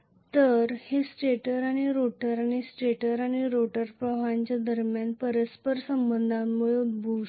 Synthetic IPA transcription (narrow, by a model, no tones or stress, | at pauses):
t̪əɾhesʈeʈəɾaɽ̃iɾoʈəɾaɽ̃isʈeʈəɾaɽ̃iɾoʈəɾpɾəʋ̤aɲt͡ɕad̪əɾmjanpəɾəspəɾsəmbənd̪ʱammuɭubʱu